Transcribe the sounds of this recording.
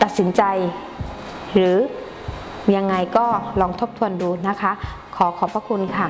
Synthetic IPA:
t̪a˨˩t̪̚si˩˦nt͡ɕa˧j | ɾɯː˨˦ | ɲa˧ŋːa˧jkɔː˥˩lɔː˧ŋt̪ʰo˦˥p̚t̪ʰu˧ənduː˧na˦˥kʰa˦˥ | kʰɔː˩˦kʰɔː˨˦pʰa˧˥kʰu˧nkʰa˥˩

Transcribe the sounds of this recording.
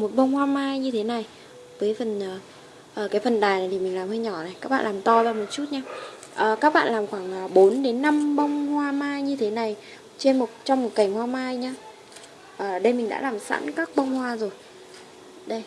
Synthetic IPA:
mo˨˩t̚ɓə˧wŋ͡mhwaː˧maː˧jɲɨ˧t̪ʰe˨˦na˨˩j | vəː˨˦jfə˨˩nʔəː˨˩ | ʔəː˨˩kaː˨˦jfə˨˩nɗaː˨˩jnaː˨˩t̪i˨˩mï˨˩ŋ̟laː˨˩mhəː˧ɲɔ˧˩na˨˩jkaː˦˥k̚ɓa̰ː˧˨lːmt̪ɔ˧zaː˧mo˨˩t̚t͡ɕu˦˥t̚ɲaː˧ | ʔəː˨˩kaː˦˥k̚ɓa̰ː˧˨laː˨˩mxwaː˧˩ŋʔə˨˩ɓo˨˦nɗe˨˦nːa˧mɓə˧wŋ͡mhwaː˧maː˧jɲɨ˧t̪ʰe˨˦na˨˩j | t͡ɕe˧nmo˨˩t̚t͡ɕɔ˧wŋ͡mmo˨˩t̚ka˨˩jŋhwaː˧maː˧jɲaː˧ | ʔəː˨˩ɗə˧jmï˨˩ŋ̟ɗa̰ː˧˥laː˨˩msa̰˧˥nkaː˦˥k̚ɓə˧wŋ͡mhwaː˧zo˨˩j | ɗə˧j

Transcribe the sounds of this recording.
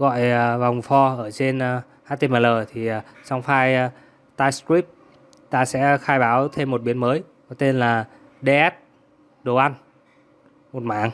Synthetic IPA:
ɣɔ̰˧˨jə˩va˨˩wŋ͡mfɔ˧ʔəː˧˩t͡ɕe˧n˧ | haː˦˥t̪e˧maː˨˩ləː˨˩t̪ʰi˨˩˨sa˧wŋ͡mfaː˧j | t̪aː˧jskɹi˦˥p̚ | t̪aː˧sɛ̰˧˥xaː˧jɓaː˨˦wt̪ʰe˧mːo˨˩t̚ɓi˨˦ənməː˨˦j | kɔ˨˦t̪e˧nlaː˨˩ | ɗe˧ʔɛ˦˥t̚ | ɗo˨˩ʔa˧n | mo˨˩t̚maː˧˨˩ŋ

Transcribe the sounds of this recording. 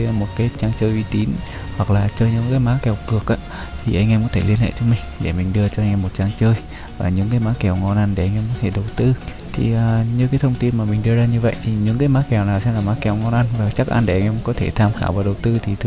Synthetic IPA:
mo˨˩t̚kaː˨˦jt͡ɕaː˧ŋt͡ɕəː˧jʔwi˧t̪i˨˦n | hwa˨˩k̚laː˨˩t͡ɕəː˧jɲɨ̰˧˥ŋkaː˨˦jmaː˨˦kɛ˨˩wkɨ˨˩ək̚ʔaː˨˧˦ | t̪ʰi˨˩ʔa˧jŋ̟ʔɛ˧mkːt̪ʰe˧˩li˧ənhḛ˧˨t͡ɕɔ˧mï˨˩ŋ̟ɗe˧˩mï˨˩ŋ̟ɗɨ˧ət͡ɕɔ˧jŋ̟ʔɛ˧mo˨˩t̚t͡ɕaː˧ŋt͡ɕəː˧j | vaː˨˩ɲɨ̰˧˥ŋkaː˨˦jmaː˨˥kɛ˨˩wŋɔ˧nʔa˧nɗe˧˩ʔa˧jŋ̟ʔɛ˧mkɔ˨˦t̪ʰe˧˩ɗə˨˩wt̪ɨ˧ | t̪ʰḭ˨˩ʔəː˨˩ɲɨ˧kaː˨˦jt̪ʰə˧wŋ͡mt̪i˧nmaː˨˩mï˨˩ŋ̟ɗɨ˧əzaː˧ɲɨ˧və̰˧˨jt̪ʰi˨˩ɲɨ̰˧˥ŋkaː˨˦jmaː˨˦kɛ˨˩wnaː˨˩wsɛ̰˧nlaː˨˩maː˨˦kɛ˨˩wŋɔ˧nʔa˧nvaː˨˩t͡ɕa˦˥k̚ʔa̰˧nɗe˧˩ʔa˧ŋ̟ʔɛ˧mkɔ˨˦t̪ʰe˧˩t̪ʰaː˧mxaː˧˩wvaː˨˩ɗə˨˩wt̪ɨ˧t̪ʰi˨˩t̪ʰ

